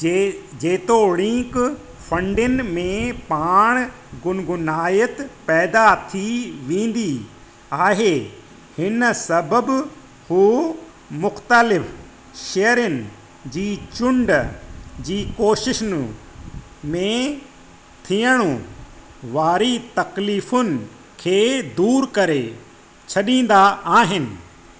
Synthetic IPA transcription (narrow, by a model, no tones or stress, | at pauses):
d͡ʑeːt̪oɽĩːk | fɐ̃ɳɖɪnɪ̆mẽpaːɽ̃ | ɡʊnɡʊnaːjət̪pɛːd̪at̪ʰiʋẽːn̆d̪i | aːɦe | hɪnsɐbəb | huː | mʊxt̪əlɪf | ʃejəɾənɪ̆ | d͡ʑiːt͡ɕʊ̃ɳɖəd͡ʑiːkoːʃɪʃn | mẽ | t̪ʰijəɽ̃õ | ʋaːɾit̪ɐkliːfʊnɪ̆ | kʰeːd̪uːɾkɐɾe | t͡ɕʰɐɗĩːn̆d̪aaːɦɪnɪ̆